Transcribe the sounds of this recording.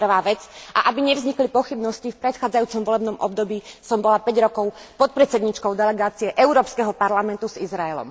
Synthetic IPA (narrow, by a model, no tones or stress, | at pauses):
r̩ʋaːʋɛt͡sʔa̰ʔabiɲɛvzɲiklipɔxibnɔscifpɾɛt̪xaːd͡zajuːt͡sɔmʋɔlɛbnɔmʔɔ̰b̚d̪ɔbiːsɔmbɔlapɛɟɾɔkɔʊpɔt̪̚pɾɛt͡sɛd̪ɲiːt͡ʃkɔʊd̪ɛlɛɡaːt͡siɛʔɛʊɾɔːpskɛɦɔpaɾlamɛnt̪uzizɾaɛlɔ̰m